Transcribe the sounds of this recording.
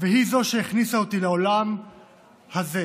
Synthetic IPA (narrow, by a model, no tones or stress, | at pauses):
veɦizo̞ʃeeχnisaot̪ileolam | haze